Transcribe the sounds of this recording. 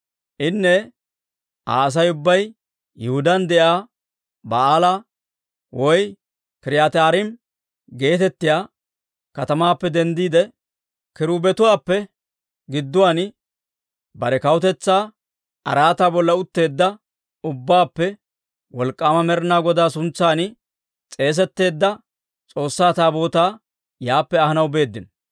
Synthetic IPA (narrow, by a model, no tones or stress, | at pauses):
ʔɪnːɛ | a̰ːs̬ɐjʊbːɐj | jɛhʊd̪ɐnd̪ɛʔaː | bɐaːla | wɔj | kɪɾɪjaːt̪aːɾɪm | ɡe̞ːt̪ɛt̪ːɪjaː | kɐt̪ɐmaːpːɛd̪ɛnd̪iːd̪ɛ | kɪɾuːbɛt̪ʊwaːpːɛ | ɡɪd̪ːʊwaːn | bɐɾɛkɐwʊt̪ɛt͡sːaː | ɐ̰ɾaːt̪aːbɔlːɐʊt̪ːe̞ːd̪ːɐ | ʊbːaːpːɛ | wɔlkʼːaːmɐmɛɾnaːɡɔd̪aːsʊnt͡sːaːnɪ | t͡sʼe̞ːs̬ɛt̪ːe̞ːd̪ːɐ | t͡sʼo̞ːsːaːt̪aːbo̞ːt̪aː | jaːpːɛɐhɐnɐwbe̞ːd̪ːɪn